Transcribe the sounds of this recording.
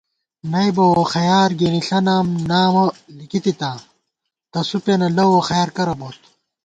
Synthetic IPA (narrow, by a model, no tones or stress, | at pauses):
nɐjbɐwoxɐjaːɾɡiɾiɬɐnaːmnaːwolikit̪it̪a | t̪ɐsupenɐlɐwoxɐjaːɾkɐɾɐboːt̪